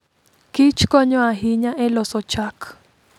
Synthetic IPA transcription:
kit͡ʃkɔɲɔaɦiɲaʔɛlɔsɔt͡ʃak

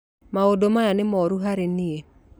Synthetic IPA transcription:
maodomajanemɔɾuɦaɾenie

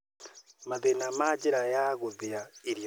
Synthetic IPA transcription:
maðenamad͡ʒiɾajaɣuðijaiɾj

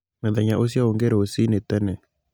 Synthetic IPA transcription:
mɛðɛɲaʔos̬jaoŋɡeɾosinet̪ɛnɛ

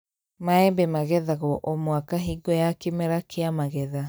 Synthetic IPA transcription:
maɛmbɛmaɣɛðaɣɔʔɔmwakaɦiɡɔjakemɛɾakʰeamaɣɛða

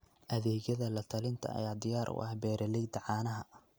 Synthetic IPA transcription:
ʔɐðɛːɣjɐðɐlɐt̪ʰɐlɪnt̪ʰɐ̰ɐ̰jaːd̪ɪjaːɾʔʊ̰ʔɐ̰hbɛːɾɐlɛjd̪ɐʕɑːnɐɦɐ

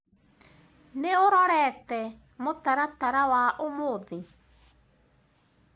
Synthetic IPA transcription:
neoɾɔɾɛtɛ | motaɾataɾawaʔomoðe

